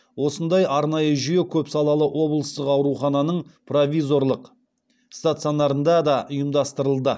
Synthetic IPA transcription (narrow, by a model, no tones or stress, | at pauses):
wo̞sənd̪ɑjʔɑɾnɑjəʒʏje̞kʲʰɵpsɑlˠɑlˠəʔwo̞blˠəst̪əqɑwɾuχɑnɑnəɴpro̞vʲijzo̞ɾlˠəq | st̪at̪sijo̞nɑɾənd̪ɑd̪ɑʔʊjəmd̪ɑst̪əɾəlˠd̪ə